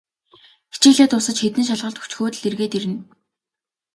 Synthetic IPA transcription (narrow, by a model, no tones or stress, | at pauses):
xi̥t͡ɕeːɮeːt̪ʊsə̆t͡ɕxet̪ɘ̆nʃ̬aɮʁə̆ɮt̪ʰu̥t͡ɕxoːt̪ɘ̆ɮirɣeːt̪iɾɘ̆n